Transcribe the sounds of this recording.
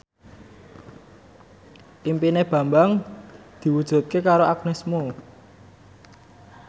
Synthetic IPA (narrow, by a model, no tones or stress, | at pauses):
ʔimpineb̥ä̤mbaŋ | d̪̥i̤wud̥ʒ̥ṳt̪̚kekaɾoʔaɡnesmo